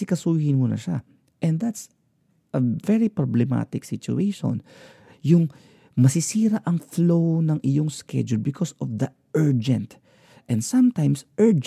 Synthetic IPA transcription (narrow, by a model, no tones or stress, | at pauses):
ɪkɐsuhɪnmunɐ̰ʃa̰ | ʔɛnd̪at̪s | ʔɐvɛɹipɾoblɛma̰t̪ɪksɪt͡ʃʊ̰ʔeʃõ̰n | jʊŋ | mɐsɪsiːɾaʔɐŋflownɐŋʔɪjoŋskɛ̰d͡ʒʊlbɪkʰosɔvd̪ɐ | ɛɹd͡ʒɛ̃nt̪ | ʔɛ̃nd̪sɐ̃mt̪ajmsʔɛɹd͡ʒ